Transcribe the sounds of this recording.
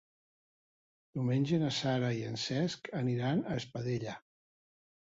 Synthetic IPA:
d̪̥uwmeɲʲʒenasaɾaiənsɛskəniɾanəːspəðeʎə

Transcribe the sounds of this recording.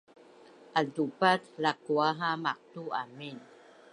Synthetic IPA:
ʔadupat̪lakuaɦamak̚t̪uamin

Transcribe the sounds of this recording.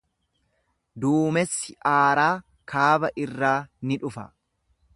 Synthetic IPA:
d̪uːmɛsːɪʔaːɾaː | kʰaːbɐʔɪrːaːnɪᶑʊfɐ̰

